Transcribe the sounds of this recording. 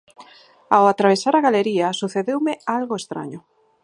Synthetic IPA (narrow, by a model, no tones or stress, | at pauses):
awat̪ɾaβ̞esaɾaɣaleɾiasuθeðewmealɣoest̪ɾa̰ɲo